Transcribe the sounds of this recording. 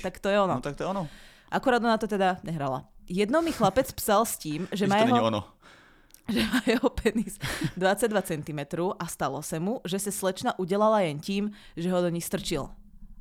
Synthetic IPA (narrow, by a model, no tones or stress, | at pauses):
t̪akt̪ɔjɛɔnɔt̪ak̚t̪ɔɛɔnɔ | ʔakuɾaːd̪ɔnat̪ɔt̪ɛd̪aɲɛɦɾala̰jɛd̪nɔmixlapɛt͡spsalsciːmʒɛmajɛɦɔɔnɔ̰ | ʒɛmajɛɦɔpʰɛnisd̪ʋat͡saɟ̚d̪ʋat͡sɛnt̪imɛt̪ɾɔːʔast̪alɔsamuʒɛsaslɛt͡ʃnaʔuɟɛlalajɛnciːm | ʒɛɦɔd̪ɔɲixst̪r̩t͡ʃil